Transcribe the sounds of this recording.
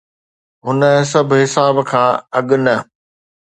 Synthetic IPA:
ɦʊnəs̬ɐbʱɦɪsaːbkʰãːɐɠnɐ

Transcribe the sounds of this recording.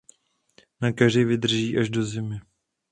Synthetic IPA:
nakaʒɪvɪd̪r̩ʒiːʔaʒdo̞zɪmɪ

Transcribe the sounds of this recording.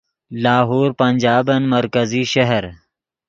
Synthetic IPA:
laːɦoːɾpɐnʲd͡ʒaːbɐnmɐɾkɐziʃɐɦəɾ

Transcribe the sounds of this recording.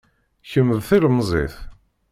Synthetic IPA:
çəmːəðθiləmzˤḛθ

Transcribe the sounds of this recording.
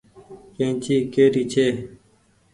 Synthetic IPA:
kẽːnt͡ɕiːkeːɾiːt͡ɕʰeː

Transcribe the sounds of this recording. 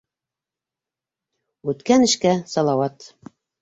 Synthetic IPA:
ʉt̪kænɘ̆ʃkæsɑlˠɑwɑt̪

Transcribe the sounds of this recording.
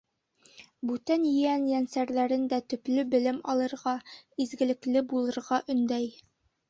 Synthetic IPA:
bʉt̪ænjɘ̆jænjænsæɾlæɾɘnd̪æt̪ɵ̆plɘbɘ̆lɘmɒ̰lˠɤ̆ɾʁɑizɡɘ̆lɘ̆klɘbulˠɤ̆ɾʁɑʔɵ̆nd̪æj

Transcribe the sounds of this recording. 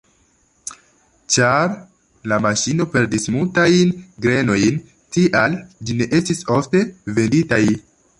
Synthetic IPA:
t͡ʃaɾ | lamaʃino̞pe̞ɾdismultajnɡɾe̞no̞jn | tiʔald͡ʒine̞ʔe̞stiso̞fte̞ve̞nditaj

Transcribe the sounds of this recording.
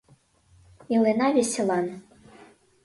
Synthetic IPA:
ilenavʲesʲelˠan

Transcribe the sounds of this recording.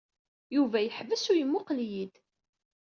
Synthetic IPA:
juvæjəħvəsʊjəmːʊqljid̪

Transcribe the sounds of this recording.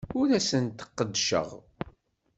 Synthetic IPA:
ʊɾæsənt̪ə̥qːəd̪ʃə̰ʁ

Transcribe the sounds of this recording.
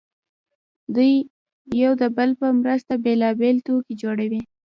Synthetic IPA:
d̪ujː | awd̪əbəlpəmɾəst̪abelɑbelt̪okid͡ʒoɽawi

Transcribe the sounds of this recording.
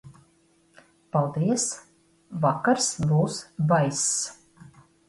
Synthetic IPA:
palˠd̪iɛs | vakaɾsbuːsvajs

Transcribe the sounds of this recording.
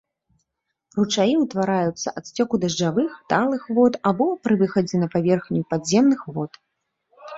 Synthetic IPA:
rut͡ʂajiwt̪vaɾajut̪sːɐ̰ʔat̪sʲt͡sʲɔkud̪ɐʐd͡ʐavɨxt̪alˠɨxvɔt̪abɔpɾɨvɨxɐd͡zʲɛnɐpavʲɛrxnʲupad̪zʲɛmnɨxvɔt̪

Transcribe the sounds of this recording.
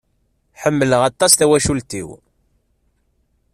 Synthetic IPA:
ħəmːələʁɑt̪ˤːɑsθæwæʃult̪ḭw

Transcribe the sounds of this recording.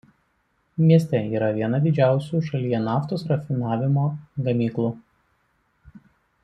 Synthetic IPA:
mʲiɛsʲt̪ʲɛiːɾɐʋʲiɛnɐd̪ʲɪd͡ʒʲæˑʊsʲuːʃɐlʲijɛnɑːft̪oːsɾɐfʲɪnɑːʋʲɪmoːɡɐmʲiːklˠuː

